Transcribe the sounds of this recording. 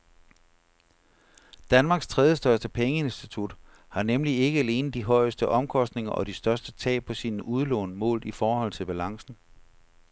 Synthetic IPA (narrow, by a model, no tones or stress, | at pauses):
d̥ænmɑ̈ːɡ̥st͡sʰʁɛð̞ˠjəsd̥ɶɐsd̥əpʰeŋəe̝nsd̥it͡sʰud̥ | hɑ̈nemlie̝ɡ̥əæle̝ːnð̩ˠd̥iɦɒ̽ɪ̰əsd̥əʔɒ̽mkʰɒ̽sd̥ne̝ŋɐʔɒ̽d̥isd̥ɶɐsd̥ət͡sʰɛ̰ːpʰɒ̽sinʔuð̞ˠlɔ̰ːnəmɔ̰̽ːl̰ifɒːhɒ̽l̰t͡sʰe̝lb̥ælɑ̈ŋsn̩